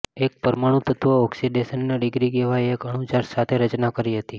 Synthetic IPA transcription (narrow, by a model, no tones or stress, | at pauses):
ek̚pəɾmaɽ̃ũt̪ət̪ʋəɔksiɖesənːeɖɪɡɾiɡeʋajekəɽ̃ũt͡ʃaɾsat̪ʰeɾət͡ʃnakəɾiɦət̪i